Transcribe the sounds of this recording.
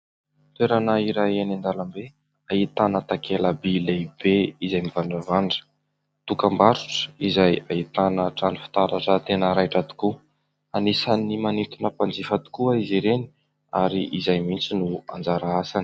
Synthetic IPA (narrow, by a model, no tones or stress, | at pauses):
t̪weɾanaiɾajenand̪alambe | ait̪anət̪akʰeləbileb̥eizajmivaɳɖ͡ʐavaɳɖ͡ʐə̥ | t̪ukəmbaɾu̥ʈ͡ʂə̥izajait̪anəʈ͡ʂanifi̥t̪aɾaʈ͡ʂət̪enəɾajʈ͡ʂat̪u̥ku | anisanimanit̪unəpand͡zifat̪u̥kuaiziɾeni̥ | aɾiʔizajmint͡sinua̰nd͡zaɾaasani̥